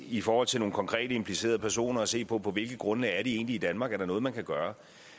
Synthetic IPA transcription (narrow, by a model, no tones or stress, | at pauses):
ifɒːhɒ̽l̰t͡sʰe̝lno̝ːŋ̩kʰɒ̽ŋkʰʁɛ̰ːde̝mpʰlise̝̰ːɐð̞ˠpʰæɐso̝̰ːnɐɒse̝̰ːpʰɒ̽pʰɒ̽ʋe̝lɡ̥ð̩ˠɡ̥ʁɔ̽nlɛɪɐd̥ie̝̰ːnliid̥ænmɑ̈ːɡ̥æɐɾɑ̈nɔ̽ːð̩ˠmænkʰæɡ̥ɶːɐ